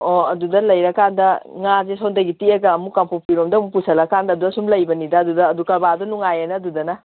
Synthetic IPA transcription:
ɔɐdudɐlɐjɾɐkːandɐŋazesɔwndɐɡitieɡɐːmukampopiɾomdɐmupusʰɐlɐkːandɐːdudɐsumlɐjbɐnidɐːdudɐːdukɐɾbadɔnuŋajanɐdudɐnɐ

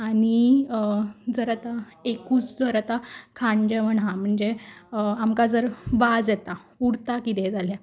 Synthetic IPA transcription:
aɽi | d͡zəɾat̪aekuːt͡sd͡zəɾat̪akʰãɳd͡ʑəʋəɳɦãm̤əɳd͡zeamkad͡zəɾʋad͡zjɛt̪auɽt̪akit̪ɛd͡zʱalja

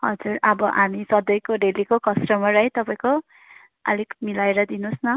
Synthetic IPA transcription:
ɦʌd͡zurʌbʌʔamisʌd̪ʌjkoɖelikokʌsʈʌmʌɾʌjt̪ʌpaj̃ko | ʌ̰likmilaeɾʌd̪inusnʌ

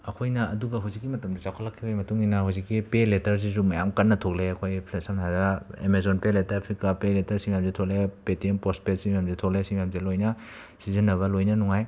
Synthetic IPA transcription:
ɐkʰojnɐːduɡɐɦawzikːimɐtɐmdisawkʰɐlakʰːibajmɐtuŋinɐɦawzikːipeletɐɾs̬is̬umɐjamkɐnːɐtʰok̚leɐkʰojpʰlesamtʰadɐḛmezonpeletɐɾpʰɾikapeletɐɾsimijamzetʰok̚lepetienpɾospet̚simijamzetʰok̚lesimijamzelojnɐ | sizɐnːɐβɐlojnɐnuŋaj

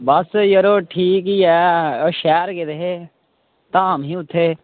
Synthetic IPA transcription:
bɐsjəɾoːʈʰiːk̬iɛːʃɛːɾked̪eɦeː | t̪aːmɦĩːʊt̪ʰːeː

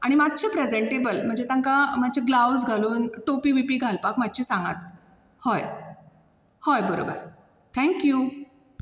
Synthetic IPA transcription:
a̰ɽ̃imad̪̚t͡ɕepɾed͡zeɳʈebəlm̤əɳd͡zet̪ãŋkamat͡ɕeɡlawd͡zɡʱaluːnʈopiːʋipiːɡʱalpakmadt͡ɕisãŋɡa̰t̪ | hɔj | hɔjbəɾo̰bə̰ɾ | t̪ʰɛ̃ŋkju

